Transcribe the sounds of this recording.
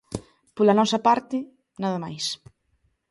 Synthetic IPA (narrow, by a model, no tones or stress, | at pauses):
polɐnɔsɐpaɾt̪ɪ | naðɐmajs